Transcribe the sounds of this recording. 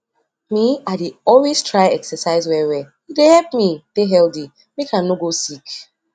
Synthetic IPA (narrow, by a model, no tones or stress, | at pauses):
miadeɔlwestɹajɛksɛsaɪzwɛwɛ | idehɛp̚mid̥eɦɛldi | mekʰanoɡosik